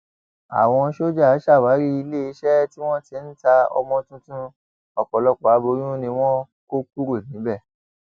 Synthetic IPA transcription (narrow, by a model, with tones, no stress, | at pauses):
a̰˨w̃ɔ̃˧ʃo˦d͡ʒa˦˨a˨˦ʃa˦˨wa˨˦ɾi˦i˧le˦i˧˦ʃɛ˦ti˦w̃ɔ̃˦ti˨˦n̩˦ta˧ɔ̰˧mɔ̃˧tũ˦tũ˦ | ɔ˨k͡pɔ˨lɔ˧k͡pɔ˨a˨˦bo˧˦j̃ũ˦nĩ˧w̃ɔ̃˦ | ko˦k̚u˦ɾo˦˨nĩ˨˦bɛ˦˨